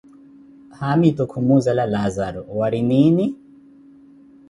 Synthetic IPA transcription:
hamit̪ukʰumuzalalazaɾɔwaɾinini

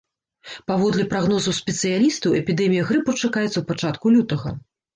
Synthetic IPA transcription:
pavɔd̪lʲɛpɾaɣnɔzɐwsʲpʲɛt̪sɨjalʲist̪ɐwɛpʲid̪ɛmʲijɐɣɾɨput͡ʂakajɛt̪sɐwpat͡ʂat̪kulʲut̪ɐɣɐ̰

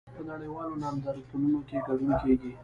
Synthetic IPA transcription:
pənaɽəjwɑlonɑmzaɾit̪ulunokeɡaɖunkeɡi

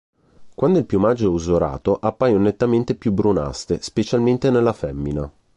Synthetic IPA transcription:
kwand̪oilpjumad͡ʒːoɛuzoɾa̰ːt̪oʔapːaːjonet̪ːament̪epjubɾuna̰st̪espet͡ʃalment̪enelːafɛmːina

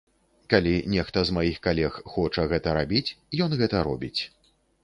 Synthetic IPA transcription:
kalʲinʲɛxt̪ɐzmajixkalʲɛxxɔt͡ʂɐɣɛt̪ɐɾabʲit͡sʲjɔnɣɛt̪ɐɾɔ̰bʲit͡sʲ

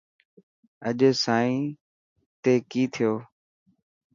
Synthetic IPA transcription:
əʄsaːĩː | t̪eːkiːt̪ʰɪjoː

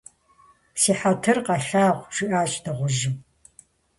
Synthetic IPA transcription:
siːħatʰɨrqɐɬaːʁʷʒ̥ɪʔaːt͡ʃʼdɐʁʷʊʒɪm

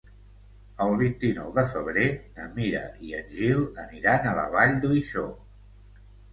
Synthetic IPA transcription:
əlˠβint̪inɔ̰wðəfəβ̞ɾenəmiɾə̰ʔiəʒilˠəniɾanələ̰β̞aʎd̪uiʃo

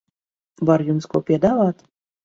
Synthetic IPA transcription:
vaɾjumskuɔpʲiɛd̪avɑːt̪

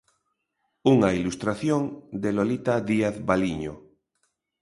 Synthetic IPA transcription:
uŋailust̪ɾaθjoŋd̪elolit̪aðiaθβaliɲo̰

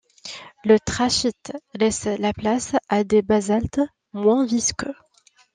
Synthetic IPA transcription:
lət̪χaʃit̪lɛslaplasad̪ebazalt̪ | mwɛ̃viskʲø

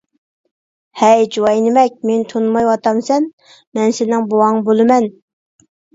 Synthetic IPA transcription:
hɛjd͡ʒuwɑjnɪmɛk̚ʲment̪ʰonmɑjwɑt̪ɑmsɛn | mɛnsɪnɪŋbowɑŋbolˠɨmɛn

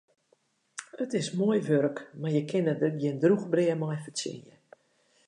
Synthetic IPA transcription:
ətɪsmoəjʋøɾəkmajəkʰɪnəjɪndruxbrɪəmɔjfət͡sɪ̰njə̰

